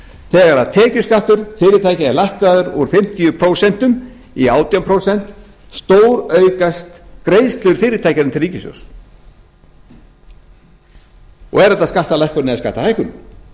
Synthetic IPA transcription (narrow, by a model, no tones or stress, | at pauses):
θɛːɣaɾaðt̪ʰɛːcʏskaht̪ʏɾ̥fɪːɾɪt̪ʰaːjcaɛlajhkaðʏɾuɾ̥fɪm̥t̪ijʏpʰɾowsɛn̥t̪ʏm | iaːwt̪iampʰɾoːwsɛn̥t̪ | st̪oːwɾœɥkast̪kɾeːjðst̪lʏɾ̥fɪːɾɪt̪ʰajcaɾʏnmt̪ʰɪlriːcɪsɔ̰ws | ɔ̰ɣɛɾɛt̪aðskaht̪alɛjhkʏɾnɛaska̰ht̪aajhkʏn